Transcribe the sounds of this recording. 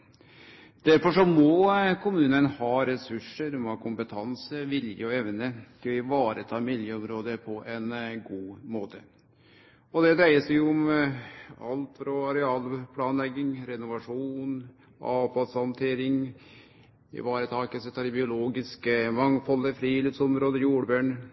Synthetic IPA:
d̪̥æɾfɔʂɔmɔkʰʊmʉːnənhɑːɾɛsʉʂəɾmɑkʰʊmpət̪ʰɑnsəʋɪljəɔɛʋnəkɪʋɑːɾət̪ʰɑːmɪljəɔmɾoːd̪əpʰɔʔɛnɡuːmoːt̪ʰə | ɔd̪ɛd̪ɾæɪəsɛʊm | ɑ̰lt̪fɾɔɑɾɛɑːlpʰlɑːnlɛɡːɪŋɾɛnʊʋɑʂuːn | ʔɑːfɑlshɑnt̪ʰeːɾɪŋ | ɪ̰ʋɑːɾət̪ʰɑːkəsət̪ʰɑɾbɪʊloːɡɪskəmɑŋfɔlːəfɾiːlɪfsɔmɾoːd̪əjuːɖbøːɳ

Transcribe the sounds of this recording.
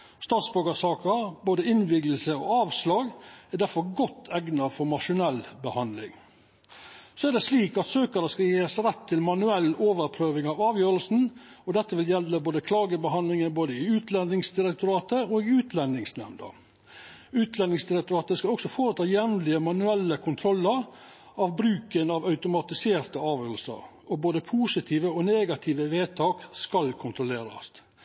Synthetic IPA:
st̪ɑːt̪sbœɡəsɑːkəɾboːd̪əɪnʋɪɡləlsəɔ̰ɑːʋslɑːɡæd̪æɾfɔɾɡɔt̪ʰːɛɡnɑfɔɾmɑʂʊnɛlbəhɑnd̪lɪ̰ŋ | sɔæd̪ɛsliːkɑt̪søːkəɾəskɑjeːəsɾɛt̪ʰːɪlmɑnʉɛlːoːʋəɾpʰɾøːʋɪŋɑʋɑːʋjøːɾəlsn̩ɔd̪ɛt̪ːəʋɪljɛlːəboːd̪əkʰlɑːɡəbəɦɑnd̪lɪŋənboːd̪əɪʉːt̪lɛnd̪ɪŋsd̪ɪɾɛk̚t̪ʊɾɑːt̪əoːɡɪʉːt̪lɛnɪŋsnɛ̰mnd̪ə̰ | ʉːt̪lɛnːɪŋsd̪ɪɾɛk̚t̪ʊɾɑːt̪əskɑlɔksɔfoːɾət̪ʰɑːjɛʋnlɪəmɑnʉɛlːəkʰʊnt̪ʰɾɔlːəɾ | ɑʋbɾʉːkənɑʋɑʉt̪ʊmɑt̪ɪseːɾt̪əɑːʋjøːɾəlsə̰ɾ | ɔboːd̪əpʰuːsɪt̪ʰiːʋəɔneːɡɑt̪ʰiːʋəʋeːt̪ʰɑːkskɑlkʰʊnt̪ɾʊleːɾɑ̰st̪

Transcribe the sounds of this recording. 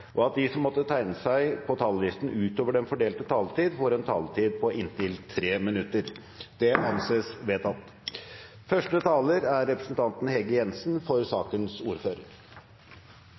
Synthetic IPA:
ʔɔɑt̪̚d̪isɔmːɔt̪ːət̪ʰæɪnəsæɪpʰɔt̪ʰɑːllɪst̪n̩ʉːt̪oːʋəɖɛnfɔɖeːlt̪ət̪ʰɑːlt̪iːd̪foːɾɛnt̪ʰɑ̰ːlt̪ʰiːd̪̚pʰɔʔɪnt̪ɪlt̪ʰːɾeːmɪnʉt̪ːəɾ | d̪̥ɛʔɑnseːsʋeːt̪ɑt̪ | fœʂʈət̪ʰɑːləɾæɾːɛpɾəsənt̪ʰɑnt̪n̩hɛɡəjɛnsnfɔɾsɑːkənsuːɾføːɾə̰ɾ

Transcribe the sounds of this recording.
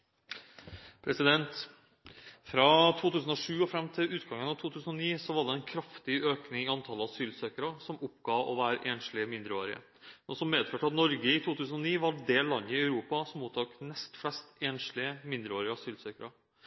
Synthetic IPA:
pʰɾɛsɪd̪ɛnt̪ | fɾɑːt̪ʰuːt̪ʉːsən̩ɔʂʉːɔfɾɛmːt̪ʰɪlʉːt̪ɡɑŋːənɑʋt̪ʰuːt̪ʰʉːsənɔniːsɔʋɑɖɛɛnkʰɾɑft̪ɪøːknɪŋɪɑnt̪ʰɑlːəɑsyːlsøːkəɾɑsɔmʊpːɡ̥ɑːɔ̰ʋæːɾəʔeːnʂlɪəmɪnd̪ɾəoːɾɪə̰ | mɛnsɔmmeːd̪føːʈəɑt̪nɔɾɡəɪt̪ʰuːt̪ʰʉːsənɔniːʋɑɖ̪eːlɑnːəɪæʉɾuːpɑsɔmːuːt̪ʰuːknɛst̪flɛst̪eːnʂlɪəmɪnd̪ɾəoːɾɪɑsyːlsøːkəɾə

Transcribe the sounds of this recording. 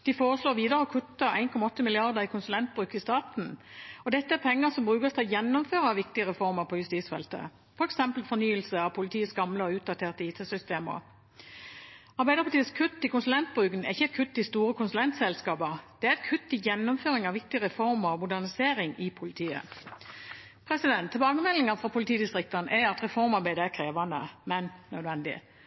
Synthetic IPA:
d̪̥ifoːʁəsloːʁʋiːd̪əɾəɔkʰʉt̪ːɑʔæ̰ɪnkʰɔmɑɔt̪ːəmɪlɪɑʁd̪əʁɪkʰʊnsʉlɛnt̪̚bʁʉkːɪst̪ɑːt̪n̩ɔd̪ɛt̪ːəæɾpʰɛŋːəsɔmbʁʉːkəst̪ʰɪlɔjɛnːʊmføːʁəɑʋɪkt̪ɪəʁɛfɔʁməʁpʰɔjʉst̪iːsfɛ̰lt̪ə̰ | fɔʁɛksɛmpəlfɔnyːəlsəɑʋpʰʊlɪt̪ʰiːəsɡɑmləɔʉːd̪ɑt̪ʰeːʁt̪əiːt̪ʰəsʏst̪eːmə̰ | ɑʁbæɪd̪əpʰɑt̪ʰiːəskʰʉt̪ːɪkʊnsʉlɛnt̪̚bʁʉːɡənɛʁɪçːəɛt̪̚kʰʉt̪ːɪst̪uːɾəkʰʊnsʉlɛnt̪sɛlskɑːpəd̪̥ɛæʁɛt̪kʰʉt̪ːɪjɛnːɔmføːɾɪŋɑʋɪk̚t̪ɪəʁɛfɔʁməʁɔmʊd̪æʁnɪseːɾɪŋɪpʰʊlɪt̪ʰiːə̰ | pʰʁɛsɪd̪ɛnt̪ʰːɪlbɑːɡəmɛlːɪŋəfʁɑpʰʊlɪt̪ʰiːd̪ɪst̪ʁɪk̚t̪ənəʔɛɑt̪ʁɛfɔɾmɑʁbæɪd̪əækʰɾeːʋɑnd̪əmɛnnœd̪ʋɛnd̪ɪ̰

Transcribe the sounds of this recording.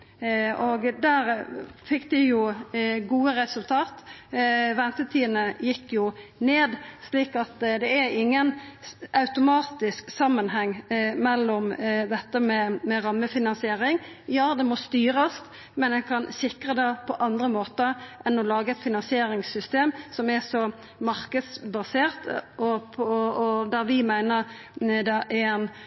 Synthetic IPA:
oɡd̪æːɾfɪkd̪ɪjʊɡuːəɾɛsʉlt̪ʰɑːt̪ | ʋɛnt̪ət̪ʰiːnəjɪkːjʊneːd̪sliːkɑt̪d̪ɛæɾɪŋːənʔɑʉt̪ʊmɑːt̪ɪsksɑmːənhɛŋːmɛlːɔmd̪ɛt̪ːəmɛmɛɾɑmːəfɪnɑnsɪeːɾɪŋjɑːd̪ɛmɔst̪yːɾəst̪ | mɛnɛkʰɑnsɪkʁəd̪ɛpʰɔʔɑnd̪ɾəmoːt̪əʔɛnɔlɑːɡəɛt̪fɪnɑnsɪeːɾɪŋsʏst̪eːmsɔmɛsɔ | mɑɾkəd̪sbɑseːʁt̪ɔpʰɔɔd̪æɾʋɪmæɪnəʁ | d̪ɑʔɛn

